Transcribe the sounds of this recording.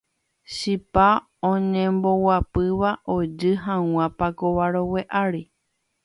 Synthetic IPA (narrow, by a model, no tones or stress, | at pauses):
ʃipa | õɲẽmbo̞wapɨʋaʔo̞d͡ʒɨɦãw̃ãpakoʋaɾowe̞ʔaɾi